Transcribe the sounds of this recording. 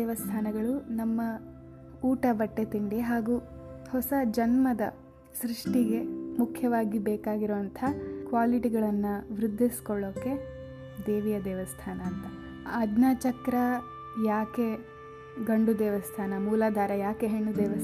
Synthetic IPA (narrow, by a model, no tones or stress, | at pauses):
ɛːʋɐst̪ʰaːnɐɡɐɭunɐmːɐ | uːʈɐbɐʈːet̪iɳɖeɦaːɡuːhɔsɐd͡ʒɐnmɐd̪ɐ̰ | sɾiʂʈiɡe̞mukʰjɐʋaːɡibɛːkaːɡiɾoːʋɐnt̪ʰɐkʋaːliʈiɡɐɭɐnːuʋɾud̪ʱːiskɔɭːoːkːe̞ | d̪eːʋijɐd̪ɛːʋɐst̪ʰaːnɐːnt̪ɐ | ɐd̪naːt͡ʃɐkɾɐ | jaːke̞ | ɡɐɳɖud̪ɛːʋɐst̪ʰaːnɐmuːlaːd̪ʱaːɾɐjaːke̞ɦeɳːud̪ɛːʋɐ